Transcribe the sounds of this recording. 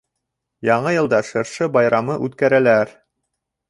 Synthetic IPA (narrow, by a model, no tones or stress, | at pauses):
jɑɴɤjɤ̆lˠd̪ɑʃɤ̆ɾʃɤbɑjɾɑmɤʔʉt̪kæɾælæɾ